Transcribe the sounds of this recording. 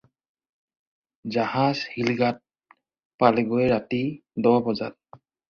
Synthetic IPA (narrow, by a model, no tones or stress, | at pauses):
zahazhilɡat̚ | palɛɡojɛɹatidɔwabɔza̰t̚